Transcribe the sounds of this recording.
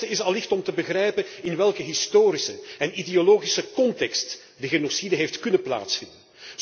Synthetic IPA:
əɪsɑlːɪxtɔmtəbəɣrɛjpənɪnʋɛlˠkəɦɪstoːɾisəɛnideoloːɣisəkɔntɛkst | dəɣenosidəɦeftkɵnənpla̰ːtsfɪndən

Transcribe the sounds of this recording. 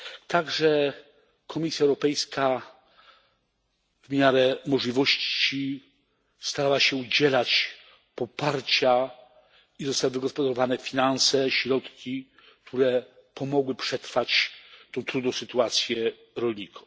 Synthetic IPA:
t̪aɡʐɛ | kʰɔmʲisʲjaɛwɾɔpɛjskʰa | vmʲjaɾɛmɔʐlʲivɔɕt͡ɕi | st̪aɾawaɕɛud͡ʑɛlat͡ɕ | pɔpaɾt͡ɕa | izɔst̪awvɘɡɔspɔd̪aɾɔvanɛfʲinansɛɕɾɔt̪kʲi | k̚t̪ʰuɾɛ | pɔmɔɡwɘpʂɛt̪ɾfat͡ɕt̪ɔ̃w̃t̪ɾud̪nɔ̃w̃sɘt̪uat̪sʲjɛ | ɾɔlɲikʰɔ

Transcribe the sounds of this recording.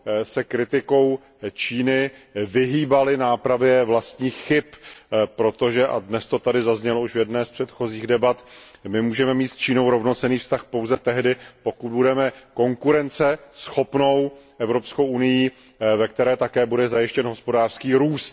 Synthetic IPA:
sɛkɾɪt̪ɪko̞w | t͡ʃiːnɪvɪɦiːbalɪnaːpɾavjɛvlast̪ɲiːxːɪppɾo̞t̪o̞ʒɛʔa̰dnɛst̪o̞t̪adɪzazɲɛlouʃvjɛdnɛːspr̝̥ɛt̪xo̞ziːɣdɛbat̪mɪmuːʒɛmɛmiːt̪st͡ʃiːno̞wɾo̞vno̞t͡sɛniːfst̪axpo̞wzɛt̪ɛɦdɪpo̞kud̪̚budɛmɛko̞ŋkuɾɛnt͡sɛsxo̞pno̞wʔɛvɾo̞pskowʔunɪjiː | vɛk̚t̪ɛɾɛːt̪akɛːbudɛzajɪʃcɛnɦo̞spo̞daːr̥skiːɾuːst̪

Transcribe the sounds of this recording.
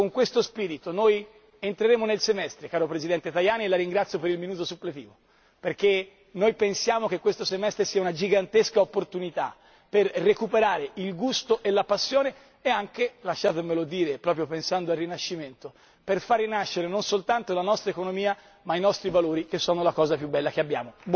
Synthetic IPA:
koŋkwest̪ospiːɾit̪onoj | ent̪ɾeɾeːmonelsemɛst̪ɾekaːɾopɾezid̪ɛnt̪et̪ajaːnielaɾiŋɡɾat̪sjopeɾilminuːt̪̬osupːlet̪iːvo | perke | nojpensjaːmok̟ekːwest̪osemɛst̪ɾesiːaunad͡ʒiɡant̪eskaopːort̪unit̪a̰ | perːekupeɾaːɾeilɡust̪oʔelapasːjoːneː | aŋk̟elaʃːaːt̪̬emelod̪iːɾepɾɔːpɾjopensand̪oalːinaʃːiment̪o | perfarːinaʃːeɾenonsolt̪ant̪olanɔst̪ɾaekonomiːa | mainɔst̪ɾivaloːɾik̟esːoːnolakɔːzapjubːɛlːak̟eabːja̰ːmo

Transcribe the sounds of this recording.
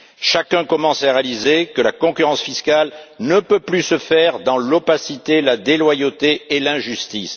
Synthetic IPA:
ʃakɛ̃kɔmɑ̃saʁealizekəlakɔ̃kyʁɑ̃sfiskalnəpøplysəfɛʁd̪ɑ̃lɔpasit̪elad̪elwajot̪eːlɛ̃ʒyst̪is

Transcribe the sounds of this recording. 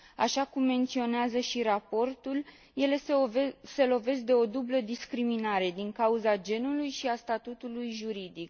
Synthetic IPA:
a̰ʃakumːe̞nt̪sio̞neazəʃiɾapo̞rt̪ul | je̞le̞se̞lo̞ve̞s̚d̪e̞o̞d̪ubləd̪iskɾiminaɾe̞d̪iŋkauzad͡ʒe̞nulujʃiast̪at̪ut̪ulujʒuɾid̪ik̚

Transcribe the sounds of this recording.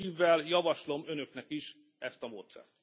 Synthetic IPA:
iːvːɛljɒvɒʃlo̞mø̞nøknɛkiʃ | ɛst̪ɒmoːt̪sɛ̰rt̪

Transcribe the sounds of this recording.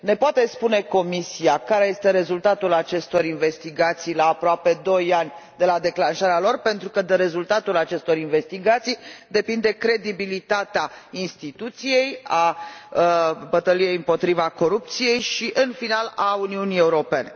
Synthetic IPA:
ne̞poat̪e̞spune̞ko̞misiakaɾe̞je̞st̪e̞ɾe̞zult̪at̪ulat͡ʃe̞st̪o̞ɾinve̞st̪iɡat̪sijlaːpɾoape̞d̪o̞janʲd̪e̞lad̪e̞klanʃaɾealo̞rpe̞nt̪ɾukəd̪eɾe̞zult̪at̪ulat͡ʃe̞st̪o̞ɾinve̞st̪iɡat̪sijd̪e̞pind̪e̞kɾe̞d̪ibilit̪at̪eainst̪it̪ut̪sije̞jaəbət̪əlije̞jɨmpo̞t̪ɾivako̞ɾup̚t̪sije̞jʃiʔɨnfinalauniunije̞uɾo̞pe̞ne̞

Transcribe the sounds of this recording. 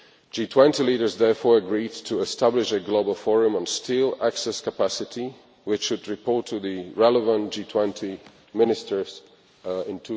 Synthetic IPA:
d̥d͡ʒ̥itʰw̥ɛ̃ntiliɾə˞zðɛɹfɔɹəɡɹid̚tʰɨɛstʰæblɪʃɨɡloʊbəl̩ˠfɔɹɨ̃mə̃nstilˠæksɛskʰəpæsɨɾi | wɨt͡ʃʃɨd̚ɹɨpʰɔɹtʰɨðɨɹɛlˠəvə̃nd̥ʒ̥itʰw̥ɛ̃ntʰi | mɪ̃nɨstə˞z | ɪ̃ntʰu

